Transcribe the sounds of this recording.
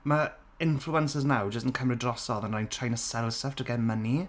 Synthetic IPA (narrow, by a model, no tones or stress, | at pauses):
mə | ɪ̃nfluə̃nsɪznawd͡ʒəstə̃n̩kʰəmɹədrɔsɔə̃naɪ̃ntʰɹ̥ajɪ̃ntʰəsɛlˠsəftʰəɡɛməni